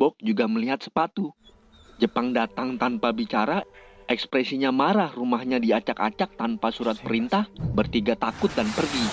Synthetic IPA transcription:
bɔk̚d͡ʒuɡaməliɦat̪̚sə̥pat̪u | d͡ʒəpaŋdat̪aŋt̪anpabit͡ʃaɾaʔɛkspɾɛsiɲamaɾahrumahɲadiat͡ʃaka̰t͡ʃak̚t̪anpasuɾat̪̚pəɾint̪ahbərt̪iɡat̪akʊt̪̚danpərɡi

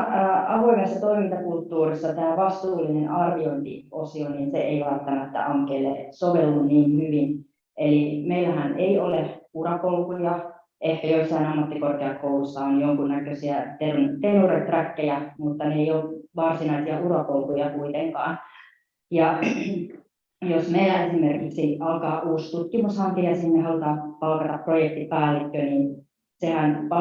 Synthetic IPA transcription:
ɑʋoimesːɑt̪o̞imint̪ɑkult̪ːuːrisːɑt̪æːʋɑst̪uːlinenʔɑrʋioint̪ḭosioniːnsḛʔeiʋælt̪ːɑmæt̪ːæ̰ʔɑŋkelːḛsoʋelːunniːnhyʋin | ʔelimeilæhæneioleurɑkolkujɑ | ʔehkæjosːɑinɑmːɑt̪ːikorkeɑkoulusːɑonjoŋkunnækøsiæt̪erunt̪eroret̪rækːejæmut̪ːɑneeijolt̪ʋɑrsinɑisiɑʔurɑpolkujɑkuit̪eŋkɑ̰ːn | jɑ | josmeilæesimerkiksiɑlkɑːʔuːst̪ut̪kimushɑmpiæsninnehɑlut̪ɑːmpɑlkɑt̪ɑpːrojek̚t̪ipæːlːikːøniːn | sehænpɑ

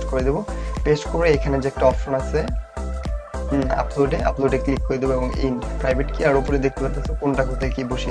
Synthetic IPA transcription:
koɾed̪ibopeʃkoɾeekʰaned͡ʑeek̚ʈaɔfʃonasʰe | a̰ploɖeʔa̰ploɖeklikːoɾed̪iboebɔŋḭnɖpɾajbʱeʈkiaɾupoɾed̪ek̚t̪epat̪ʰːesʰokonʈakot̪ʰekiboʃi

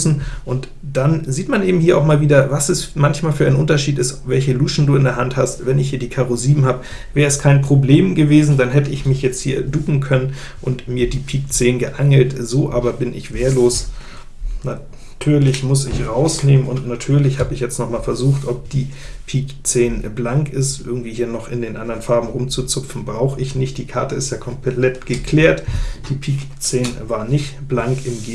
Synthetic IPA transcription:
sn̩ʔʊnt | d̥anziːtmanʔeːbm̩hiːɐaʊxmaːlviːdɐvasɛsmançmaːlfyːɐaɪnənʔʊntɐʃiːtɪstvɛlçəluːʃn̩duːɪndeːɐɦanthastvɛnɪçhiːɐdiːkʰaːʁoziːbm̩haːbə | vɛːʁəɛskʰaɪnpʁ̥obleːmɡəveːzn̩danɦɛtəɪçmɪçjɛt͡sthiːɐduːkŋ̩kʰœnən | ʔʊntmiːɐdiːpʰiːk̚t͡seːnɡəʔaŋl̩tz̥oːʔa̰ːbɐbɪnɪ̰çv̥eːɐloːs | na | tʰyːɐlɪçmʊsɪçʁaʊsneːmənʊntnatʰyːɐlɪçhaːbəɪçjɛt͡stnɔχmaːlfɛɐzuːxtʔɔp̚d̥iː | pʰiːk | t͡seːnblaŋkɪstʔɪɐɡŋ̩tv̥iːhiːɐnɔχɪndeːnʔandɐʁnfaɐbm̩ʁʊmt͡sut͡sʊpp͡fn̩bʁaʊxəɪçnɪçt̚d̥iːkʰaɐtəɪstjaːkʰɔmpʰlɛtɡ̥əkʰl̥eːɐtd̥iːpʰiːk | t͡seːnvaːɐnɪçtb̥laŋkɪmɡː

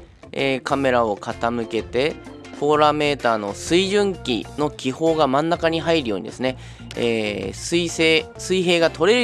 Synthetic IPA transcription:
eːkame̞ɾao̞kʰat̪amɯ̟ke̞t̪e̞ | po̞ːɾame̞ːt̪aːno̞sɨiʑɨ̃ŋkʲḭno̞kʲiho̞ːɡamãnːakaɲ̟iɦaiɾɯjo̞̰ːɲ̟id̪esɨne̞ | ḛːsɨiseː | sɨiɦe̞ːɡat̪o̞ɾe̞ɾɯ

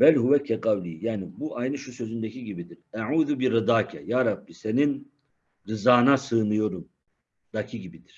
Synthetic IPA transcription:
bælhuβɛcʲʰɛqawlʲiːjaːnibuʔajnɯʃusø̞zynd̪ecʰiɟibid̪iɾaʕuːðubiɾɯd̪aːcʰɛjaːɾɑbːise̞nin | ɾɯzaːnasɯːnɯjo̞ɾum | d̪acʰiɟibid̪iɾ̥

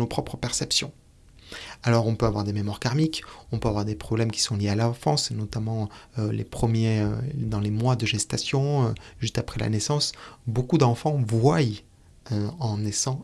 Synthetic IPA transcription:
nopχɔpχəpɛʁsɛpsjɔ̃ | alɔʁɔ̃pøavwaʁd̪ememwaʁkaʁmikɔ̃pøavwaʁd̪epχɔblɛmkʲi̥sɔ̃ljealaɑ̃fɑ̃snɔt̪amɑ̃ølḛpχəmjeød̪ɑ̃lemwad̪əʒɛst̪asjɔ̃øʒyst̪apχɛla̰nɛsɑ̃sbokud̪ɑ̃fɑ̃vwaj | øɑ̃nɛsɑ̃

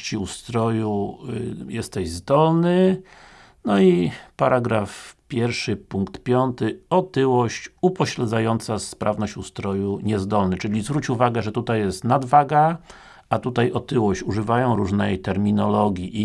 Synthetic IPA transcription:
t͡ɕiust̪ɾɔju | jɛst̪ɛʑzd̪ɔlnɘ | nɔipaɾaɡɾafpʲjɛɾfʂɘpuŋkt̪pʲjɔnt̪ɘɔt̪ɘwɔɕt͡ɕupɔɕlɛd̪zajɔnt̪saspɾavnɔɕt͡ɕust̪ɾɔjuɲɛzd̪ɔlnɘt͡ʂɘlʲizvɾut͡ɕuvaɡɛʐɛt̪ut̪ajːɛst̪nad̪vaɡa | at̪ut̪ajɔt̪ɘwɔɕt͡ɕuʐɘvajɔ̃w̃ɾuʐnɛjt̪ɛɾmʲinɔlɔɡʲjiʔ

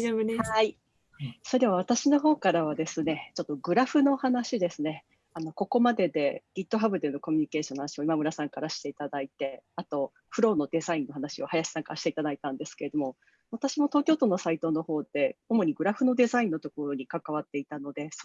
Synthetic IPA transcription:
ob̪hai | so̞ɾe̞βaβ̞at̪aɕino̞ɦo̞ːkaɾaβ̞ad̪e̞sɨne̞t͡ɕo̞t̪ːo̞ɡɯ̟ɾaɸɯ̟no̞hanaɕid̪e̞sɨne̞ | ano̞ko̞ko̞mad̪e̞d̪e̞ɡ̥ʲit̪ːo̞ɦabɯ̟d̪enoko̞mʲiɲ̟ike̞ːɕonohanaɕio̞imamɯ̟ɾasãŋkaɾaɕi̥t̪e̞it̪ad̪ait̪e̞at̪o̞ | ɸɯ̟ɾo̞ːno̞d̪e̞zaĩnːo̞ɦanaɕio̞hajaɕi̥sãŋka̰ɕi̥t̪e̞it̪ad̪ait̪ãnd̪e̞sɨ̥ke̞ɾe̞d̪omo̞ | βat̪aɕimo̞t̪oːkʲo̞ːt̪o̞ːno̞sait̪o̞no̞ho̞ːd̪̥e̞omo̞ɲ̟iɡɯ̟ɾaɸɯ̟no̞d̪e̞zaĩnːo̞t̪o̞ko̞ɾo̞ɲ̟ikakaβ̞at̪ːe̞it̪ano̞d̪e̞s

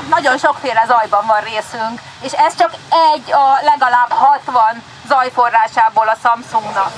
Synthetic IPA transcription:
nɒɟo̞nʃo̞kfeːɾɛzɒjbɒɱvɒnreːsyŋk | eːʃɛst͡ʃɒkɛɟːɒlɛɡɒlaːbhɒt̪ʋɒn | zɒjfo̞rːaːʃaːboːlɒsɒmsuŋɡnɒk

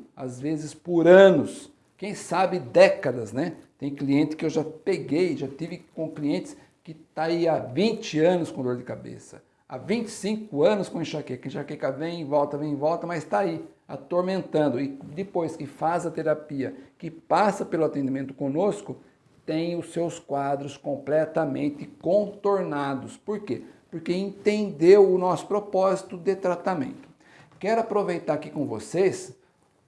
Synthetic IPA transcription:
a̰zvezɪspʊɾɐ̃nʊs | kẽj̃sabɪd̪ɛkɐd̪ɐznɛt̪ẽj̃kliẽnt̪ɪ̥kɪewʒapeɡejʒat̪ivɪkõkliẽnt̪ɪ̥s | kɪt̪aiavĩt͡ʃɪɐ̃nʊskõd̪oɾd̪ɪkabḛsɐ̥̰ | a̰vĩnt͡ʃɪ̥sĩŋkʊɐ̃nʊskõĩʃakɛkɐ̃ʃakɛkɐvẽj̃ẽvɔwt̪ɐvẽj̃ẽvɔwt̪ɐmɐzt̪aia̰t̪oɾmẽnt̪ɐ̃nd̪ʊɪd̪ɪpojskɪfazɐt̪eɾapiɐkɪpasɐpelʊat̪ẽnd̪imẽnt̪ʊ̥kõnoskʊ | t̪ẽj̃ʊsewskwad̪ɾʊskõplɛt̪ɐmḛ̃nt̪ɪkõt̪oɾnad̪ʊspoɾkepoɾkeẽnt̪ẽnd̪ewʊnɔsʊ̥pɾopɔzit̪ʊd̪ɪt̪ɾat̪amḛ̃nt̪ʊ̥ | kɛɾʊapɾovejt̪aɾakikõvo̰ses

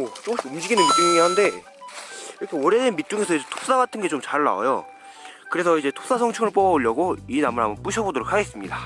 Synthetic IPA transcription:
ot͡ɕ͈okɕʰiumd͡ʑiɡinɯnmit̚t͡ɕ͈uŋŋiɦande̞ | iɾʌkʰewʌɾedenmit̚t͡ɕ͈uŋe̞sʰʌid͡ʑe̞tʰo̥p̚s͈aɡatʰɯnɡe̞t͡ɕomt͡ɕaɭːa̰a̰jo̰ | kɯɾe̞sʰʌid͡ʑe̞tʰop̚s͈asʰʌŋt͡ɕʰɯŋɯɭp͈ʌbʌoʎjʌɡoinamɯɾa̰mbʌnp͈uɕʰʌbodoɾok̚ʰaɡe̞s͈ɯmɲida

